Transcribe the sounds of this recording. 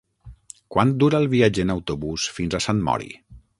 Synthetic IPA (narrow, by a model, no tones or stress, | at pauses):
kwand̪uɾaəlˠβiad͡ʒenawt̪oβusfinzasanmɔ̰ɾḭ